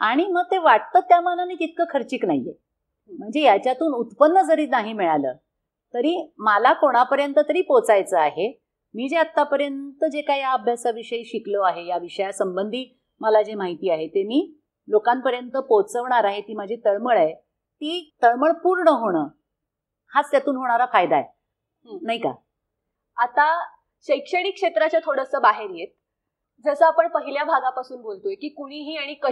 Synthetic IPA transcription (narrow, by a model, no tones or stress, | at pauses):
aɽ̃iməɡ̚t̪eʋaʈ̚t̪ət̪ːjamananiːkit̪̚kəkʰəɾt͡ɕiːknaɦijḛ | m̤əɳd͡zejat͡ɕjat̪uːnut̪pənːəd͡zəɾiːt̪naɦimiɭalə̰ː | t̪əɾiːmalakoɽ̃apəɾjənt̪ət̪əɾiːpot͡sajt͡səaɦe | miːd͡zeat̪ːapəɾjənt̪əd͡ʑekaɦijaəbʱjasaʋiʂəiːɕikloaɦejaʋiʂəjasəmbənd̪ʱiː | məlad͡ʑemaɦit̪iːaɦet̪emiː | lokampəɾjənt̪əpot͡səʋɳaɾaɦet̪iːmad͡ʑʱit̪əɽməɭae | t̪iːt̪əɭməɭpuːɾɳəɦoɽ̃əː | hat͡st̪jat̪uːnɦoɽ̃aɾafajd̪aḛ | naɦika̰ | at̪a | ɕəjkʂəɽ̃ikʂet̪ɾat͡ɕat̪ʰoɽəsəːbaɦeɾjet̪̚ | d͡zəsəapəɳpəɦiljabʱaɡapasuːnbʱolt̪ojekiːkuɽ̃iːɦiːaɽ̃ikə